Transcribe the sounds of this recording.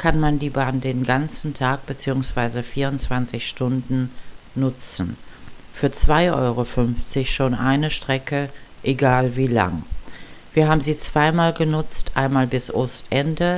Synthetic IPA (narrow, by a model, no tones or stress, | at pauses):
kʰanmandiːbaːndeːnɡant͡sn̩tʰaːk̚b̥ət͡siːʊŋsv̥aɪzəfiːɐʁʊntt͡sv̥ant͡sɪçʃtʊndn̩nʊt͡sn̩fyːɐt͡sv̥aɪʔɔ̰ʏʁofʏnft͡sɪçʃoːnʔaɪnəʃtʁ̥ɛkəʔeɡaːlviːla̰ŋ | v̥iːɐɦaːbm̩ziːt͡sv̥aɪmaːlɡənʊt͡stʰʔa̰ɪnmaːlbɪsʔʊstʔɛndə